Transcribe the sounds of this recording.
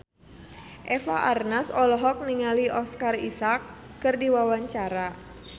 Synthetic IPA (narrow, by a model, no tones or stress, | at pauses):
ʔefaʔarnasɔlɔɦɔk̚niŋaliʔɔskarisakː | ərdiwawaɲt͡ʃaɾa